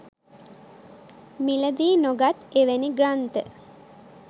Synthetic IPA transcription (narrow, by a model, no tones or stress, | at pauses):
miləd̪iːnoɡat̪eʋeniɡrant̪ə